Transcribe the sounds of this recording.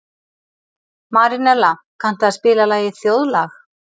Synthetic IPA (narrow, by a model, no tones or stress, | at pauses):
maːɾinɛɾla | kʰan̥t̪aðspɪːlalaːjɪθjowðlaːx